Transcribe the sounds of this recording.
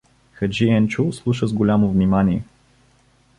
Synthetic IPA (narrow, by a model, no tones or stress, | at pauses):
xɐd͡ʒiɛnt͡ʃuslˠuʃəzɡolʲamovnimanʲiɛ